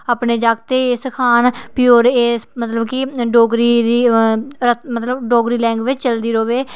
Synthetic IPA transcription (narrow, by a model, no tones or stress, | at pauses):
aːpneːd͡ʒaːɡt̪eːsəkʰaːnpɪjoːɾeːsmət̪ləbkiɖoːɡɾiːd̪iːɾət̪mət̪ləbɖoːɡɾiːlɛ̃ːŋɡʋɪt͡ʃt͡ʃəld̪iːɾoːʋeː